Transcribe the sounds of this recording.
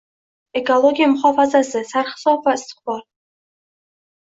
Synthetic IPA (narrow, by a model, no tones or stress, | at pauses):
ekoloɡʲijamχʷɔfazazɨsarχsofastχʷar